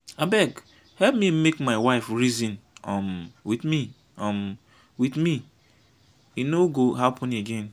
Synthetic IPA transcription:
abɛɡ | hɛp̚mimekmaɪwaɪfɹizĩnɔmwidmi | ɔm | widmi | inoɡoɦapʰɔ̃neɡẽn

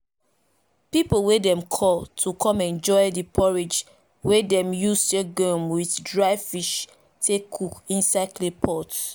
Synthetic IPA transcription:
pipowedɛ̃mkʰɔltʰukʰɔ̃mɛ̃nd͡ʒɔɪdipʰɔɹed͡ʒ | wedɛ̃mjusdeɡɔmwiθdɹaɪfiʃ | tekʰukĩnsaklepʰɔt

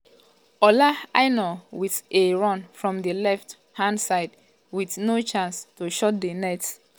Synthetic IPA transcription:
ɔlaaɪnɔwiθeɹɔ̃nfɹɔ̃mdəlɛft | hãnsaɪd | wiθnot͡ʃãnstuʃɔt̚dənɛt

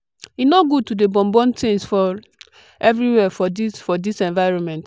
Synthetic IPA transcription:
inoɡud̚tudebɔ̃mbɔ̃ntẽnsfɔ | ɛvɹiwɛfɔdisfɔdisɛ̃nvaɪɹɔ̃nmɛ̃nt

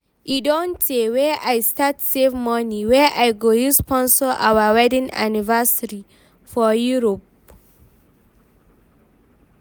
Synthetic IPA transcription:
idɔ̃ntewɛʔajstatsevmɔniwɛʔajɡohispɔ̃nsɔʔa̰wawɛdĩna̰nivasaɹi | fɔjuɹop̚

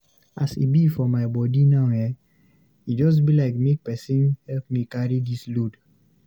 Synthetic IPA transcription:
ʔasḭbifɔmaɪbɔdinaʊjɛ | itd͡ʒɔs̬bilaɪkmek̚pɛsĩnhɛlpmikaɹidislud

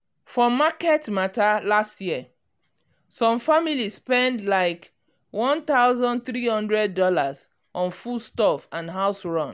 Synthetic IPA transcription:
fɔmakɛtmatalastjiə | sɔ̃mfamilisspɛ̃ndlaɪk | wɔ̃nt̪aʊzɔ̃nd̚θɹihɔ̃ndɹɛd̚ːɔlaz | ʔɔ̃nfustɔfãnɦaʊsɹɔ̃n

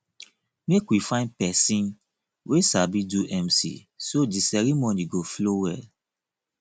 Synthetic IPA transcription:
mekwifãɪ̃npɛsĩn | wʔesabiduʔɛ̃msḭ | sodisɛɾimoniɡoflowɛl

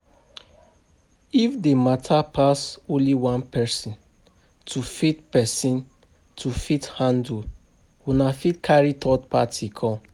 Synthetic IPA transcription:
ifdematʰapʰasõnliwãnpʰɛsĩn | tʰufitpɛsĩn | tʰufithãndu | wunafitkʰaɹitʰɔd̚patʰikʰɔ̃

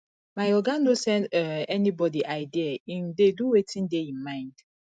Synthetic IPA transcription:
majɔɡanosɛ̃ndɛnibɔdiʔaɪdiaĩndeduwetʰĩndeĩnmãɪ̃nd̥

